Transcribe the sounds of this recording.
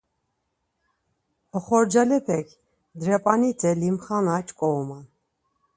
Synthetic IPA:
ɔχɔɾd͡ʒalɛpʰɛkʰ | d̪ɾɛpʼanit̪ʰɛlimχanat͡ʃʼkʼɔɔman

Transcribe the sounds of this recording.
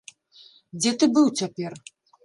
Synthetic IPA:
d͡zʲɛt̪ɨbɨwt͡sʲapʲɛr

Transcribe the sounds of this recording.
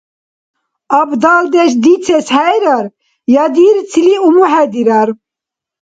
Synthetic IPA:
ɑbd̪ald̪ɛʃ̬d̪it͡sʰɛshɛjɾaɾ | jɑd̪iɾt͡sʰiliumuɦɛd̪iɾaɾ

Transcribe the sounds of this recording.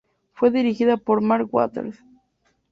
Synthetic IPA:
fweðiɾixiðapoɾmaɾkwa̰t̪ḛɾs

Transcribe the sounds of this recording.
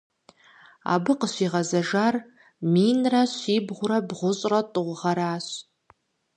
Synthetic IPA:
a̰ːbɨqəɕʷiːʁɐzɐʒaːr | miːnrɐɕiːbʁʷʊɾɐbʁʷʊɕʼrɐtʼʊʁʷʊʁɐɾaːɕ

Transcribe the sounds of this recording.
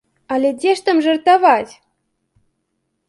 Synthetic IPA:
ɑlʲedʲeʃt̪ə̆mʒɤ̆rt̪ɑvɑtʲ

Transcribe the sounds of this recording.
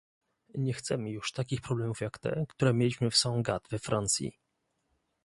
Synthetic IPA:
ɲɛxt̪sɛmɘjuʂt̪akʲixpɾɔblɛmufjakt̪ɛ̰kt̪uɾɛmʲjelʲiɕmɘfsaɔ̃w̃ɡat̪vɛfɾʔant̪sʲjḭ

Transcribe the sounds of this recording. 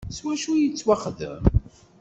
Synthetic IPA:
swæʃujət͡sːwaχðə̰m

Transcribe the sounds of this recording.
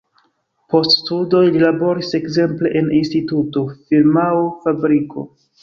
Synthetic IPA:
po̞ststudo̞jlilabo̞ɾise̞kze̞mple̞ʔeninstituto̞fiɾmawfabɾiko̞̰

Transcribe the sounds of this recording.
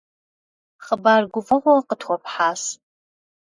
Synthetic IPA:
χəbaːrɡʷʊfɐʁʷɔqətʰχʷɔpħaːs

